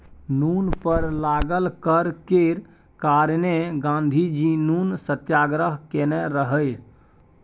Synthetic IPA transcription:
nunpəɾlaɡəlkəɾkeɾ | kaɾneɡãnd̪ʱid͡ʒinunsət̪jaɡɾəɦkeneɾəɦəj

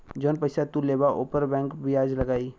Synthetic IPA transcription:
d͡ʒonpəɪsat̪uleːbaʔoːpəɾbɛ̃ːŋkbɪjaːd͡ʒlɐɡaːi

